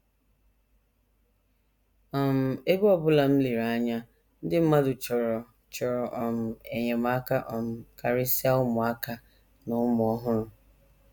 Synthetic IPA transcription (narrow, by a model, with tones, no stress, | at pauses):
ɔ˨m̩˨e˦ɡu˦ɔ˨bʊ˦la˨m̩˦li˨ɾa˨˦ɲa˦ | n̩˦dɪ˦m̩˦ma˦dʊ˨t͡ʃɔ˨ɾɔ˨ | t͡ʃɔ˨ɾɔ˨ʔɔ˨m̩˨e˨ɲe˨m˦a˦ka˦ʔɔ˨m̩˨ka˨ɾɪ˦si˦a˦ʊ˦mʊ˨a˦ka˦ | nʊ˦mʊ˨ɔ˦ɦʊ˦ɾʊ˦